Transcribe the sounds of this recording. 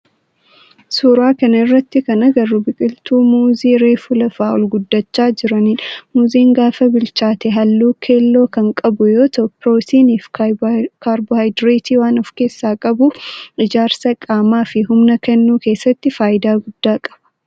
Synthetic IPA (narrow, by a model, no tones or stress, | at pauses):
suːɾaːkɐnɐɪrːɐt̪ːɪkɐnɐɡɐrubɪkʼɪlt̪uːmuːziːɾeːfʊlɐfaːʔɔlɡʊd̪ːɐt͡ʃːaːd͡ʒɪɾɐniːnmuːziːŋɡaːfɐbɪlt͡ʃaːt̪ɛɦɐlːuːkʰeːlːo̞ːkɐŋkʼɐbʊjoːt̪ɔpːɪɾoːsiːniːf | kaːɾbʊhajd̪ɾeːt̪ʰiːwaːnɔfke̞ːsːaːkʼɐbʊɪd͡ʒaːɾsɐkʼaːmaːfɪɦʊmnɐkɛnːuːke̞ːsːɐt̪ːɪfaːjɪd̪aːɡʊd̪ːaːkʼɐ̥b̥ɐ̥